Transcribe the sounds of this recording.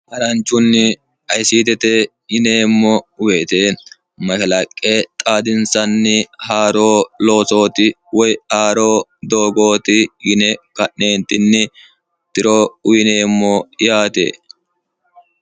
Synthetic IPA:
ʔɐɾɐnt͡ʃːʊnːɪ | ɐjsiːt̪ɛt̪ɛ | jɪneːmːɔʊweːt̪eː | mɐkɐlɐkʼːet̪ʼaːd̪ɪnsɐnːɪhaːɾo̞ːlo̞ːso̞ːt̪ɪ | wɔjhaːɾoːd̪oːɡo̞ːt̪ɪɡɪnɛkɐʔneːnt̪ɪnːɪ | t̪ɪɾoːʊjɪneːmːɔɪjaːt̪ḛː

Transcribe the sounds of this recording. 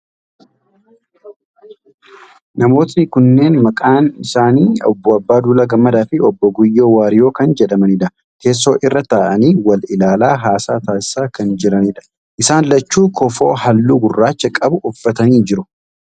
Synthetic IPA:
nɐmo̞ːt̪nɪkʊnːe̞ːnmɐkʼaːnɪsaːniːɔbːɔɐbːaːd̪uːlɐɡɐmːɐd̪aːfɪɔbːɔɡʊjːoːwaːɾɪjo̞ːkɐnd͡ʒɛᶑɐmɐnɪᶑɐ | ke̞ːs̬ːo̞ːʔɪrːɐt̪aːʔɐniːwɐlɪlaːlaːɦaːsaːt̪aːsɪ̥saːkɐnd͡ʒɪɾɐnɪᶑɐ̥ | ʔɪsaːnlɐt͡ʃːuːkɔfo̞ːhɐlːuːɡʊrːaːt͡ʃːɐkʼɐbʊʊfːɐt̪ɐniːd͡ʒɪɾʊ

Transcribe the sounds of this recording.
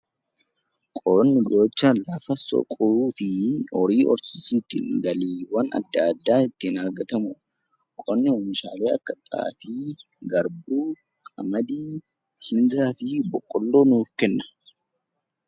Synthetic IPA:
kʼonːɪɡɾo̞ːt͡ʃːɐlɐfɐsɔ̰kʼʊɾuːfɪɔɾiːʔɔɾsɪsiːt̪ɪ̰ɡɐliːwɐnɐ̰d̪ːɐd̪ːaːɪt̪ːɪnɐɾɡɐt̪ɐmʊ | kʼɔnːɪɔmɪʃaːle̞ːɐkːɐt̪ʼa̰ːfiː | ɡɐɾbuː | kʼɐ̰mɐd̪iː | hɪŋɡaːfɪbɔkʼːɔlːo̞ːnuːfkɛnːɐ̥

